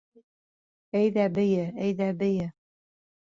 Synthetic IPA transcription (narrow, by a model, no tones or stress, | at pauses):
æjðæbɘ̆jɘæjðæbɘ̆jɘ